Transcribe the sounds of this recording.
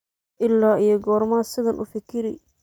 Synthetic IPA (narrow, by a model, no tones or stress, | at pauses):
ʔɪlːaːʔijɔɡɔːrmaːsɪðɐnʔʊ̰fɪkʰɪɾɪ